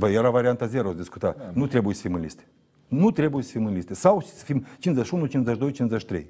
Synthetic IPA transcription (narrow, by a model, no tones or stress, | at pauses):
vɐjeɾavɐɾʲɪant̪ɐzʲeɾozd̪ʲiskut̪anut̪ɾʲebuj̪sʲfʲimɨlʲḭst̪ɨ̥ | nut̪ɾʲebujsʲfʲimɨlʲisʲt̪ɨsawt͡ʃi̥sʲfʲimt͡ʃinzɐʃunut͡ʃinzɐʒd̪ojt͡ʃinzɐʃt̪ɾʲḛj